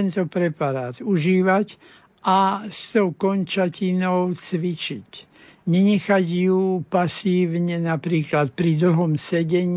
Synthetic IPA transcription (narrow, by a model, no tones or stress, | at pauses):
nt̪ɔpɾɛpaɾaːt̪uʒiːʋac | ʔast̪ɔʊkɔnt͡ʃacinɔʊt͡sʋit͡ʃic | ɲɛɲɛxaɟjupasiːʋɲɛnapɾiːklat̪̚pɾid̪l̩ɦɔmsɛɟɛɲ